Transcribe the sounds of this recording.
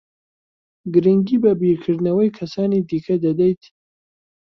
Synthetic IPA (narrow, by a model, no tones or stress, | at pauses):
ɡɨɾɨŋɡiːbɨbiːɾkʰɨɾd̪nɐwɛjkʰɐsaːniːd̪ikʰɐd̪ɐd̪ɛjt̪ʰ